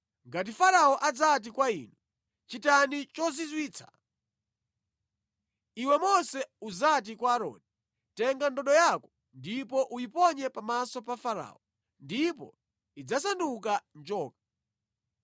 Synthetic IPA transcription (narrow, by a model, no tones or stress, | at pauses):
ŋɡat̬ifaɾaɔʔad͡zat̬ikwaḭːnu | t͡ʃitanit͡ʃɔzizwiːt͡sʰḁ̰ | iwɛmɔsɛuzat̬ikwaːɾɔ̰ːdi | tɛŋɡandɔɗɔjakɔ̥ | ndipɔʔujipɔɲɛpamasɔpafaɾa̰ːɔ | ndipɔ̰ | id͡zasanduk̬and͡ʒɔːk̚ḁ